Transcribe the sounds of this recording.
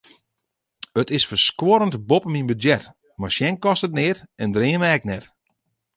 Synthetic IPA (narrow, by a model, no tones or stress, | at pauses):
ətɪsfərskwoɾəntbopəminbədjɛt | marsjɛnkɔstətnɪːrɛndrɪːənmɛk̚nɛt